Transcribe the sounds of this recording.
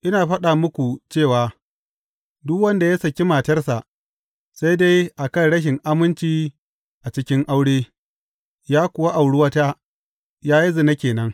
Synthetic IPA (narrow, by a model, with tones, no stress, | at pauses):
ʔɪ˦naː˨ɸɐ˦ɗaː˨mʊ˦kʷu˨t͡ʃeː˦˨waː˨ | dʊ˦kwɐ˦nda˨jɐ˦sɐ˨kʲi˦maː˨tɐ˦rsa˨ʔ | sa˦jda˦jʔa˨kɐ˦jɽɐ˦ʃ̬ɪ˨ŋʔa˦mɪ˦nt͡ʃiː˦ | ʔa˨t͡ʃɪ˦kʲɪ˦ŋʔa˦wɽeː˦ | jaː˦kʷʊ˨wa˦ʔa˨wɽʊ˦wɐ˦taː˦ | jaː˦ji˦zɪ˨na˦kʲeː˨nɐ˦ŋ